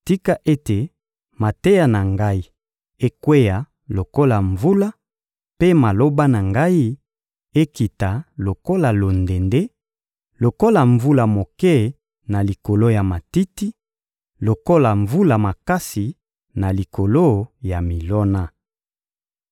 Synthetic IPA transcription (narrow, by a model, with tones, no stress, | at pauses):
ti˦ka˦ʔe˦te˨ | ma˨te˦ja˨na˨ŋɡa˦i˦ | e˦kwe˦ja˨ | lo˨ko˦la˨ɱvu˦la˦ | pe˦ma˨lo˦ba˦na˨ŋɡa˦i˦ | e˦ki˨ta˨lo˨ko˦la˨lo˨nde˨nde˦ | lo˨ko˦la˨ɱvu˦la˨mo˨kɛ˦ | na˨li˨ko˨lo˦ja˨ma˨ti˦ti˦ | lo˨ko˦la˨ɱvu˦la˨ma˨ka˦si˨ | na˨li˨ko˨lo˦ja˨mi˨lɔ˦na˦